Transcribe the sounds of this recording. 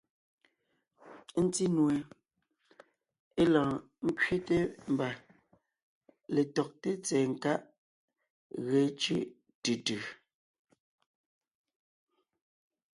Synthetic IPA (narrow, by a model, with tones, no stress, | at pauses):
n̩˦ti˦nwe˨ | e˦lãː˨ | ŋ̩˦kɥe˦te˦m̩˨˦ba˨ | le˨tɔ˨k̚te˦t͡sɛː˨ŋ̩˨ka˦ʔ | ɣɛ˨˦t͡ʃḭ˦ | tʉ˨tʉ˨